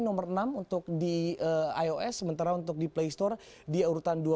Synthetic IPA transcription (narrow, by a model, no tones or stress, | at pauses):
nɔmərənamunt̪ʊk̚diəajoʔɛsːəmənt̪aɾaunt̪ʊk̚diplejst̪ɔr | diauɾut̪andua